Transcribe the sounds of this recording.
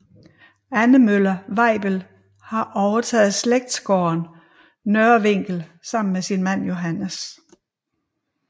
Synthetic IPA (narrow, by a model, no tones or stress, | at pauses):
ænəmølɐʋɑ̈ɪ̰b̥əl | hɑ̈ʔɒʊɐt͡sʰɛ̰ːð̩ˠsleɡ̥̚d̥sɡ̥ɒːnː | øɐʋe̝ŋ̰ɡ̥l̩sɑ̈m̰n̩mesinmæn̰jo̝ɦænəs